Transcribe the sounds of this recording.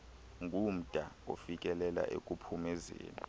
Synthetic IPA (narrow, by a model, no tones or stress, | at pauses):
ŋɡʱum̩d̥ʼʱaofik̬ʼɛlɛla̰ʔekʼupʰumɛzḛːni